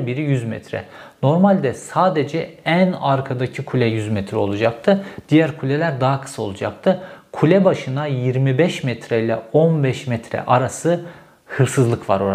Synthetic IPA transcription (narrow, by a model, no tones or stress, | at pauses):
biɾijyzmɛ̰t̪ʰɾɛ̰ | no̞ɾmalʲd̪ɛsaːd̪ed͡ʒɛænaɾkʰad̪acʰikʰulʲɛjyzmɛt̪ʰɾɛo̞lˠud͡ʒak̚t̪ʰɯd̪̥ijæɾkʰulʲɛlʲæɾd̪aɦakʰɯ̥sao̞̰lˠud͡ʒak̚t̪ʰɯkʰulʲɛbaʃɯnajiɾmibɛʃmɛt̪ʰɾɛilʲɛ̰onbɛʃmɛt̪ʰɾɛ̰ʔaɾasɯ | hɯɾsɯzlˠɯkʰva̰ɾoɾ